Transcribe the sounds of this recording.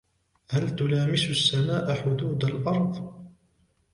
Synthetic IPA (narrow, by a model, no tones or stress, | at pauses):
halt̪ʊlaːmɪsʊsːamaːʔaħʊd̪uːd̪alʔɑɾˤðˤ